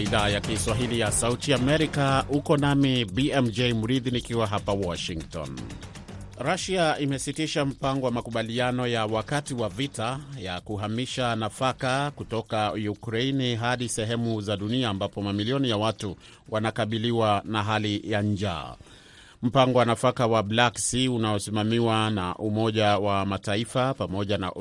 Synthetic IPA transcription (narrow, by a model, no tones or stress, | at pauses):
iðaːjakiswaɦilijasautiaːmɛɾikaukɔnamibiɛmd͡ʒɛjmuɾiðinikiwaɦapawɔʃiŋɡtɔ̰n | ɾaʃiaimɛsitiʃam̩paŋɡɔwamakuɓalianɔjawakatiwavitajakuɦamiʃanafakakutɔkajukɾainiɦaɗisɛɦɛmuzaɗuniaːmbapɔmamiliɔnijawatu | wʔanakaɓiliwanaɦalijaɲd͡ʒa̰ː | m̩paŋɡɔwanafakawablaksiunaɔsimamiwanaʔumɔʄawamataifapamɔʄana̰